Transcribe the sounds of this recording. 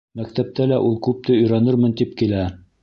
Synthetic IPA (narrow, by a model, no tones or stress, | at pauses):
mækt̪æp̚t̪ælæʔulˠkʉp̚t̪ɘɵ̆jɾɑnɤɾmɤnt̪ip̚kilæ